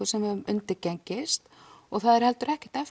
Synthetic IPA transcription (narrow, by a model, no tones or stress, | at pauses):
ʏ̥sɛmɛðmʏnt̪ɪɾcɛɲcɪst̪ | ɔɣθaðɛɾhɛlt̪ʏɾɛhcɪ̥ht̪ɛf